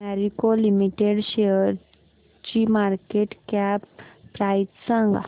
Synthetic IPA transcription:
ɛɾikolimiʈeɽɕeəɾ | t͡ɕimaɾkeʈkappɾajt̪sə̃ŋɡa̰

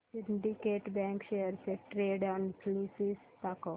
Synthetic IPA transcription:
sɪɳɖikeːʈbɛ̃ːŋkʃejəɾseʈɾeːɖɔ̃npʰliːsis | t̪ako

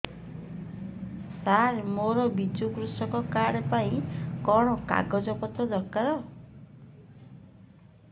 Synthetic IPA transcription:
saɾmoɾɔbid͡ʒukɾusɔkɔkaɽpaĩkɔɽ̃ɔka̰ɡɔd͡ʒɔpɔt̪ɔd̪ɔkaɾɔ

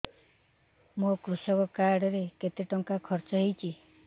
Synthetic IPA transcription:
mokɾusɔkɔkaɽɔɾeket̪eʈɔŋkakʰɔɾt͡ʃɔɦejt͡ʃʰi

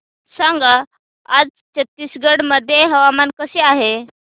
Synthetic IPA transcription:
sãŋɡa | ad͡z | t͡ɕət̪ːiːsɡəɽməd̪ʱːjeɦəʋamankəseaɦe

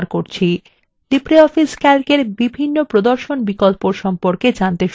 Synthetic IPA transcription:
ɾkoɾt͡ɕʰi | lipɾeɔfiskɛlkeɾbibʱinːopɾod̪oɾʃonbikolpoɾʃɔmpoɾked͡ʑant̪eʃ

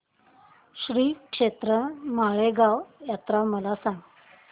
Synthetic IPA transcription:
ɕɾiːkʂet̪ɾəmaɭeɡaʋjat̪ɾaməlasãŋɡ

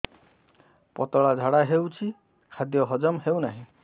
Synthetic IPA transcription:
pɔ̰t̪ɔɭad͡ʒʱaɽaɦewt͡ʃʰi | kʰad̪jɔɦɔd͡ʒɔmɦewnaɦĩ

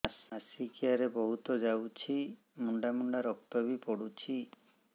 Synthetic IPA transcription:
asasikiaɾebɔɦut̪ɔd͡ʒawt͡ʃʰi | muɳɖamuɳɖaɾɔk̚t̪abipɔɽut͡ʃʰi

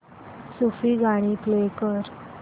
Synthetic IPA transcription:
sufiːɡʱaɽ̃iplekəɾ

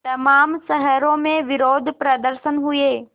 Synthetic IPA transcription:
tt̪ɐmaːmsɐɦəɾõmẽʋɪɾoːd̪ʱpɾɐd̪əɾʃənɦueː

